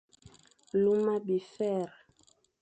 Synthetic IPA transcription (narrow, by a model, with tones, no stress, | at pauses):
lu˦ma˦bi˨fɛ˦˨ɾ